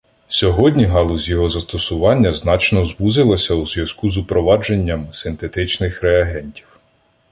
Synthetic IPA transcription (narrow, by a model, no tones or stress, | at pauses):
sʲɔɦɔdʲnʲiɦɑlˠʊzʲjɔɦɔzɐst̪ɔsʊʋɑnʲːɐznɑt͡ʃnɔzbuzɪlˠɐsʲɐuzʋʲjɐzkuzʊpɾɔʋɑd͡ʒe̞nʲːɐmsɪnt̪et̪ɪt͡ʃnɪxɾeɐɦɛnʲtʲiw